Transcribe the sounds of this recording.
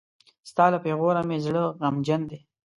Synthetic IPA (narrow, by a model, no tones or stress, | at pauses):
st̪ɑːlapeɣoɾamezɽəɣamd͡ʒand̪e